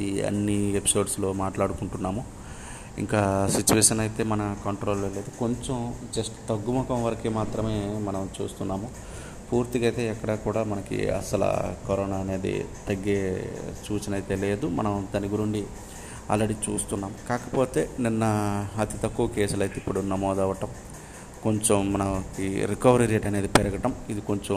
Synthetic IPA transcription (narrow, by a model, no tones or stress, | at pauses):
iɐ̰nːiepi̥so̞ːɖslo̞ːmaːʈlaːɽukuɳʈunːaːmu | ḭŋkaːsit͡ʃːuʋeːʂɐnɐjit̪e̞ːmɐnɐkɐɳʈɾo̞ːleleːd̪uko̞ɲt͡ʃemd͡ʒɐsʈt̪ɐɡːumɐkɐmʋɐɾɐkimaːt̪ɾɐme̞ːmɐnɐmt͡ʃuːst̪unːaːmu | puːɾt̪iɡɐjt̪e̞ːɛkːɐɽaːkuːɽaːmɐnɐkḭɐ̰sɐla̰koɾoːnaːne̞ːd̪ḭt̪ɐɡːeːt͡ʃuːt͡ʃɐnɐjt̪eːle̞ːd̪umɐ̰nɐmd̪ɐniɡuɾuɳɖi | a̰ːlːɐɽiːt͡ʃṵːst̪unːaːmukaːkɐ̥poːt̪e̞ːninːɐɐt̪it̪ɐkːuʋɐkɛːsulɐjt̪eipːuɽunɐmɔːd̪ɐʋɐʈɐm | ko̞ɲt͡ʃomːɐnɐkiɾikɐʋɐɾɐɾijeːʈɐne̞ːd̪ipɛɾɐɡɐʈɐmid̪iko̞ɲt͡ʃo